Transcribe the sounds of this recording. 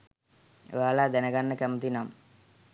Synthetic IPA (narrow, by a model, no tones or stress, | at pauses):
ḛjaːlaːd̪ænəɡanːəkæmut̪inamə